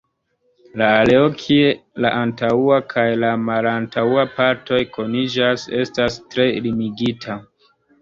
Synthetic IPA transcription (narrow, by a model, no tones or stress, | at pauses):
laːleokʰielaʔantauakʰajlamalantauapaɾto̞jkʰo̞nid͡ʒase̞stastɾe̞limiɡitʰa